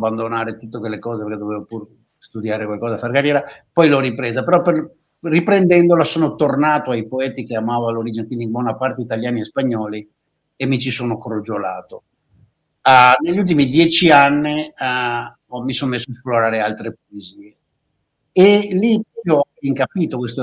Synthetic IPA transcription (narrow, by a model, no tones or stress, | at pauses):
bːand̪onaːɾet̪ut̪ːekwelːekɔːzepeɾkɛd̪oveːvopur | st̪ud̪jaːɾekwalkɔːzafaɾkarjɛːɾapɔjlɔripɾeːzapeɾɔper | ripɾend̪ɛnd̪olasoːnot̪ornaːt̪oajpoɛːt̪ikeamaːvoaloɾid͡ʒinekwind̪imbwɔnapart̪eit̪aljaːniespaɲːɔːli | emːit͡ʃisoːnokɾod͡ʒolaːt̪o | neʎːult̪̬imid̪jɛːt͡ʃianːi | ɔmisonmesːoesploɾaːɾealt̪ɾepoeziːe | elipjɔiŋkapiːt̪okwest̪o